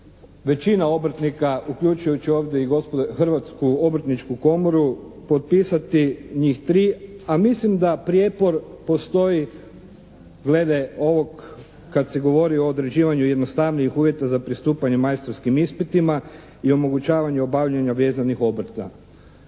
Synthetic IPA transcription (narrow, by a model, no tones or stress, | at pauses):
ʋe̞t͡ɕinao̞bɾ̩t̪nikaukʎut͡ʃujut͡ɕio̞ːʋd̪jeiɡospxɾʋat̪skuo̞bɾ̩t̪nit͡ʃkuko̞moɾu | po̞t̪̚piːsat̪iɲiːxt̪ɾiːamislimd̪apɾjepo̞ɾpo̞st̪o̞i | ɡle̞d̪e̞o̞ʋo̞kː | at̪se̞ɡo̞ʋo̞ɾio̞ːd̪ɾe̞d͡ʑiːʋaɲuje̞d̪no̞st̪aʋniixuːʋje̞t̪azapɾist̪uːpaɲe̞majst̪ɾoskimispit̪ima | io̞mo̞ɡut͡ɕaːʋaɲuo̞baʋʎeɲaʋe̞ːzanixo̞bɾt̪a̰